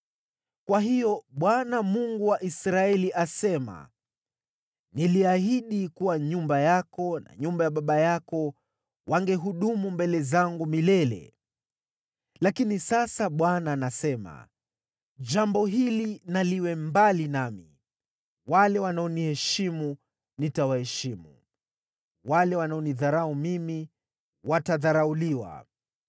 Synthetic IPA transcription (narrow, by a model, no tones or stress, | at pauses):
kwaɦijɔɓwanamuŋɡuwaʔisɾaɛliʔasɛma̰ | niliaɦiɗikuwaɲumbajakɔna̰ɲumbajaɓaɓajakɔ | wʔaŋɡɛɦuɗumumbɛlɛzaŋɡumilɛlɛ̰ | lakinisasaɓwanaːnasɛma̰ | d͡ʒambɔɦilinaliwɛmbalinamḭ | walɛwanaɔnihɛʃimu | nitawahɛʃimu | walɛwanaɔniðaɾaumimi | wataðaɾauliwa̰